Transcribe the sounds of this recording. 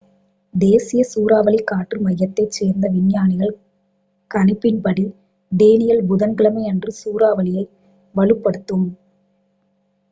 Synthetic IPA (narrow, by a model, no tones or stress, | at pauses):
d̪eːsɪjɐsuːɾaːʋɐlɪkaːʈrɯmɐjːɐt̪ːɐɪt͡ʃːeːɾnd̪ɐʋɪnjaːnɪɣɐɭ | kɐnɪpːɪnpɐɽi | d̪eːnɪjɐlbʊðɐnɡɪɭɐmɐɪɛndrɯsuːɾaːʋɐlɪjɐɪ | ʋɐɭɯpːɐɽɯt̪ːɯm